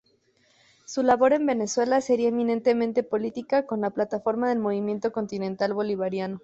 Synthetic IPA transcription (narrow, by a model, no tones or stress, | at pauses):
sulaβo̞ɾe̞mbe̞ne̞swe̞lase̞ɾiaemĩnẽ̞nt̪e̞mẽnt̪e̞po̞lit̪ikako̞nlaplat̪afo̞ɾmaðe̞lmo̞β̞imjẽ̞nt̪o̞ko̞nt̪inẽ̞nt̪alβo̞liβaɾjano̞